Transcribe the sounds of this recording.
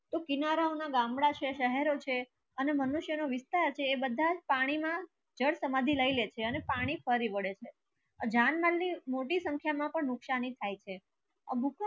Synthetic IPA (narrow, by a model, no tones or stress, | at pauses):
t̪okinaɾaonaɡãmɽat͡ʃʰeʃəɦɛɾot͡ʃʰe | ənemənuʃjənoʋɪst̪aɾt͡ʃʰeːbəd̪ʱad͡ʒpaɽ̃imã | d͡ʒəɽsəmãd̪ʱiləilet͡ʃʰeənepaɽ̃ifəɾiʋəɽet͡ʃʰe | d͡ʒanmalnimoʈisə̃ŋkʰjamãpəɳnʊkʃanit̪ʰajt͡ʃʰe | ə̰bʱuk